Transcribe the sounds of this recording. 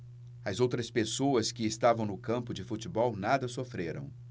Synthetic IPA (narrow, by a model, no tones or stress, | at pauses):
ɐzowt̪ɾɐspesoɐskɪːst̪avɐ̃w̃nʊkɐ̃mpʊd͡ʒɪfut͡ʃɪbɔwnad̪ɐsofɾeɾɐ̰̃w̃